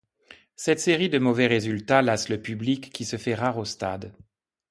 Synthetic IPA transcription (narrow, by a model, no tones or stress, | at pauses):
sɛt̪seʁid̪əmɔvɛʁezylt̪alasləpyblikʰːisəfɛʁaʁost̪a̰d̪